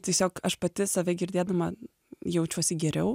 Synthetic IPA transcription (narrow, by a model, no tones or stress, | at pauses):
t̪ʲiɛsʲoːkɐʃpɐt̪ʲɪsɐʋʲɛɡʲɪɾʲd̪ʲeːd̪ɐmɐ | jɛʊt͡ʃʲuɔsʲɪɡʲɛɾʲɛʊ